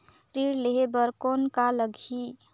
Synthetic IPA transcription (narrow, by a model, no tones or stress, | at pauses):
ɾiɾleɦebəɾkonkaləɡʱi